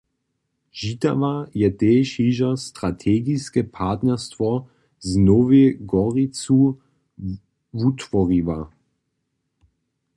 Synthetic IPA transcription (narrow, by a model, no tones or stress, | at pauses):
ʒit̪a̰vajɛt̪ɛːʃiʒast̪ɾat̪ʰɛɡiskɛpʰat̪nɛʁst̪vɔ | znɔviɡɔʁit͡s̪u | vut̪vɔʁiva